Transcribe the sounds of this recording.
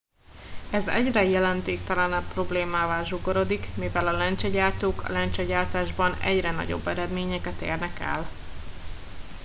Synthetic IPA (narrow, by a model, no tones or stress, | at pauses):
ɛzɛɟrɛjɛlɛnt̪eːkt̪ɛlɛnɛpːro̞bleːmaːvaːlʒoɡo̞ɾo̞d̪ikmivɛlɒlɛnt͡ʃɛɟaːrt̪oːkʰɒ̰lɛnt͡ʃɛɟaːrt̪aːʒbɒnɛ̰ɟrɛnɒ̰ɟo̞̰bːɛɾɛd̪meːɲɛkɛt̪ḛːrnɛkɛ̰l